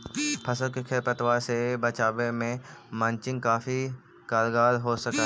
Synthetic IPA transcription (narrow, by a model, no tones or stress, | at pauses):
pʰɐsəlkekʰeɾpət̪ʋasebɐt͡ʃaːbemẽmãːnt͡ʃɪ̃ŋɡ̚kaːfi | kaːɾɡaːɾɦosɐka